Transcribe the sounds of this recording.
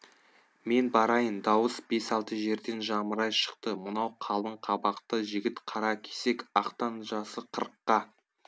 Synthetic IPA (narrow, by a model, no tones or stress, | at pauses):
me̞nbɑɾɑjənd̪ɑwəsbe̞sɑlˠt̪əʒe̞ɾd̪e̞nʒɑməɾɑjʃə̥qt̪əmənɑwqʰɑlˠəɴqʰɑbɑqt̪əʒɪɡʲɪt̪qʰɑɾɑkʲʰe̥se̞kɑqt̪ɑnʒɑsəqʰəɾəqːɑ